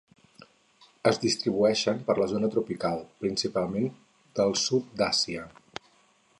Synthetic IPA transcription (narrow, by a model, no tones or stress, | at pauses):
əzðist̪ɾiβ̞uɛʃəmpəɾləzonət̪ɾupikalˠpɾinsipalˠmen | d̪̥əlˠsut̪̚d̪asiə